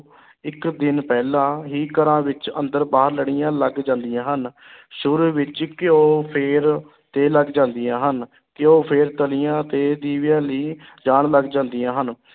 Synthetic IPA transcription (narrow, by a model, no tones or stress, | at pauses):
ɪkd̪ɪnpɛːlãːɦiːkəɾãːʋɪt͡ʃə̰̃nd̪əɾbaːɦəɾləɽɪjãːləɡd͡ʒãːnd̪ijãːɦən | ʃʊɾuʋɪt͡ʃkɪoːpʰɪːɾ | t̪eːləɡd͡ʒãːnd̪ijãːɦən | kɪoːpʰeːɾt̪əlijãːt̪eːd̪iːʋijãːliːd͡ʒaːɳləɡd͡ʒãːnd̪ijãːɦən